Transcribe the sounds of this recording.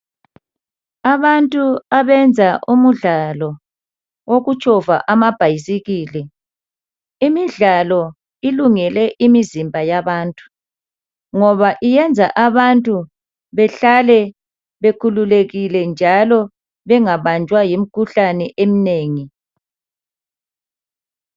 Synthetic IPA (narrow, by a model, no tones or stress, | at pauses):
aβantʼuaβɛnd͡zʱaʔumuɮalɔ | woɣut͡ʃʼɔva̰ʔamab̥ʱajisiɣiːlɛ | imiɮalɔ | iluŋɛlɛʔimizimbʱajaβaːntʼu̥ | ŋɔβaʔijɛnd͡zʱa̰ʔaβantʼu | βɛɬalɛ | βekʰululeɣilɛnd͡ʒʱalɔ | βɛŋaβant͡ʃʼwajim̩kʰuɬanɛʔem̩neːŋi